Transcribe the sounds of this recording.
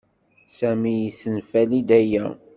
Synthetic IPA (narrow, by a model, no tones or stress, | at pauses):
sæmijisənfælid̪æjæ